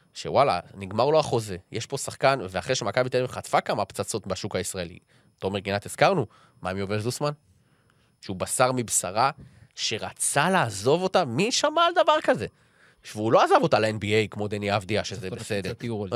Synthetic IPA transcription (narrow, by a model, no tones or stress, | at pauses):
ʃe̞̰wala̰niɡmaʁloaχo̞ze̞jeʃpo̞saχkanveaχʁeʃemakabiteimχat̪fakamapt͡sat͡so̞t̪baʃukaisʁaelḭ | to̞meʁɡinat̪iz̥kaʁnu | maemjovelzusman | ʃeubasaʁmibsaʁaʃe̞ʁat͡salaːzo̞vo̞tamiʃamald̪avaʁkaze̞ | veulo̞azavo̞taleenbiejkmo̞d̪eniafdiaʃezebesed̪eʁ